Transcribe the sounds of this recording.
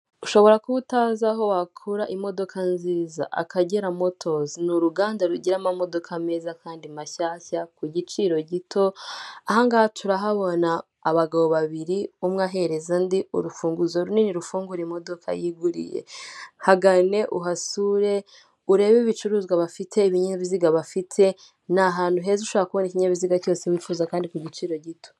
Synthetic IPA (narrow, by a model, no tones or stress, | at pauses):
uʃo̞βo̞ɾakuβutazaɦo̞wakʰuɾaʔimo̞do̞kʰanziːza̰ʔa̰kaɟeɾamo̞tʰo̞zinuɾuɡaːndaɾuɟiɾamamo̞do̞kʰame̞ːzakaːndimaçaːçakuɟit͡ʃiɾo̞ɟitʰo̞ahaŋɡaːhatʰuɾaɦaβo̞naː | βaɡaβoβaβiɾiumŋaɦe̞ɾe̞zandiṵɾufuːŋɡuzoɾuniniɾufuːŋɡuɾimo̞do̞kʰa̰jiɡuɾḭjḛhaɡane̞ʔuɦasuːɾe̞ | uɾe̞ːβiβit͡ʃuɾuːzɡwaβafitʰe̞iβiɲeβiziɡaβafitʰe̞ | naɦaːnduɦe̞zuʃaːakuβoniciɲaβiziɡaco̞ːsewiːfuːzakaːndikuɟit͡ʃiːɾo̞ɟito̞̥